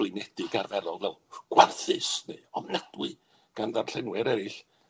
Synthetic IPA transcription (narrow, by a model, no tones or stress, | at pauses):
lˠɨnɛd̥ɪɡarvɛɾɔlˠvɛlˠɡ̥warθɨsneɔmnad̥wɨ | ɡ̥anðarɬɛnwɛɾɛɾɪɬ